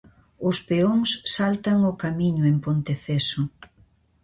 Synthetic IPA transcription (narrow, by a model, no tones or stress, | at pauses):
ʊspeoŋsːalt̪ɐŋʊkamiɲʊempont̪eθesʊ